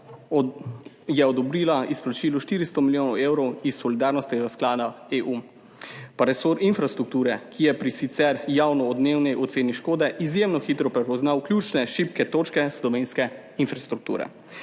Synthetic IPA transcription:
jɛɔd̪ɔbɾiːlaisplat͡ʃiːluʃt̪iɾist̪ɔmiljoːnɔwewɾɔwisːɔlid̪aːɾnɔst̪nɛɡasklaːd̪aeːʔu | paɾɛsoɾinfɾast̪ɾuk̚t̪uːɾɛkʰijɛpɾisit̪sɛɾjaːwnɔːd̪newnɛjʔɔt̪seːniʃkoːd̪ɛʔizjemnɔxiːt̪ɾɔpɾɛpɔznawklʲjuːt͡ʃnɛʃipkɛt̪oːt͡ʃkɛsd̪ɔʋeːnskɛ | infɾast̪ɾuk̚t̪ṵːɾɛ̰

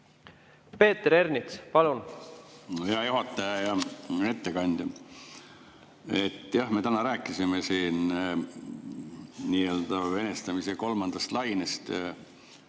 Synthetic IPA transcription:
pe̞ːt̪eɾe̞rnit̪spɑlun | heɑjuɦɑt̪ːˑɑjɑjɑe̞t̪ːe̞kɑnʲd̪̥ʲɑ | e̞t̪ːjɑhme̞t̪ænɑɾæːkːˑisimesiːn | niːø̞ld̪̥ɑve̞nest̪ɑmiseko̞lmɑnd̪̥ɑst̪lɑjnest̪

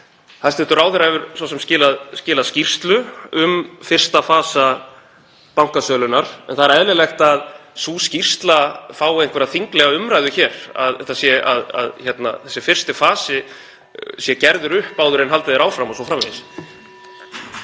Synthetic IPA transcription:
θaðst̪ɪt̪ʏɾaːwθɛɾaɛvʏɾsɔsɛmscɪːlaðscɪːlaðscir̥st̪lʏʏmfɪr̥st̪afaːsa | pawŋ̥kasœːlʏnaɾ̥ɛnθaðɪɾɛðlɪlɛxt̪aðsuscir̥st̪lafaːwejnkʰvɛɾaðθiŋklɛɣaʏmɾajðʏçɛːɾ̥a̰ðɛt̪asjɛa̰ða̰ðçɛt̪na̰θɛsːɪfɪr̥st̪ɪfaːsɪ | sjɛcɛɾðʏɾʏhpaːwðʏɾɪnɦalt̪ɪðɛɾaːwfɾamɔsɔfɾamveðs

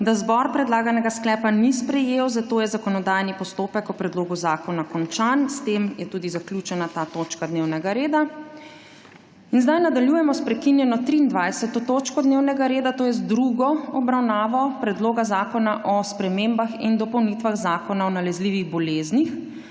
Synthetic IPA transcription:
d̪azbɔɾpɾɛd̪laːɡanɛɡasklɛːpanispɾɛjeːwzat̪oːjɛzakɔnɔd̪ajnipɔst̪oːpɛkɔpɾɛd̪loːɡuzaːkɔnakɔnt͡ʃanst̪emjɛt̪uːd̪izakljut͡ʃɛnat̪aːt̪ot͡ʃkad̪neːwnɛɡaɾeːd̪a | inzd̪ajnad̪aljujɛmɔspɾɛkinjɛnɔt̪ɾiːnd̪ʋajsɛt̪ɔt̪oːt͡ʃkɔd̪neːwnɛɡaɾeːd̪at̪oːjɛzd̪ɾuɡɔɔbɾawnaːʋɔpɾɛd̪loːɡazaːkɔnaʔɔspɾɛmembaxind̪ɔpɔwnit̪ʋaɣzaːkɔnaɔnalɛzliːʋiɣbɔleːznix

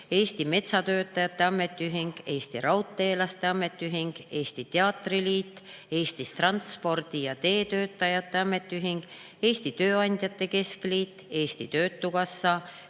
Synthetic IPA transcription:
e̞ːst̪ime̞t̪sɑt̪ø̞ːt̪ːˑɑjɑt̪ˑːe̞ɑmːe̞t̪ːˑyɦiŋɡ̥e̞ːst̪iɾɑwt̪ˑːe̞ːlɑst̪eɑmːe̞t̪ːˑyɦiŋɡ̥e̞ːst̪it̪eɑt̪riliːt̪ːe̞ːst̪ist̪rɑnt̪spo̞rd̪̥ijɑt̪e̞ːt̪ø̞ːt̪ːˑɑjɑt̪ːˑe̞ɑmːe̞t̪ːˑyɦiŋɡ̥ | e̞ːst̪it̪ø̞ːɑnʲd̪̥ʲjɑt̪ːˑe̞ke̞skliːt̪ːˑe̞ːst̪it̪ø̞ːt̪ːˑukɑsːɑ

